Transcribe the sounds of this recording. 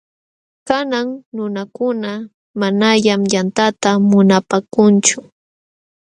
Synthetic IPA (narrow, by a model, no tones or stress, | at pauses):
kanaŋnʊnakʊna | manaʎamjant̪at̪amʊnapaːkʊnt͡ʃʊ